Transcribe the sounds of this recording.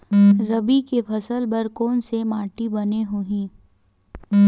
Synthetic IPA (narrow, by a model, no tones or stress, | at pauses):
ɾɐbikepʰɐsəlbɐɾkoːnsemaːʈibɐneɦuɦĩ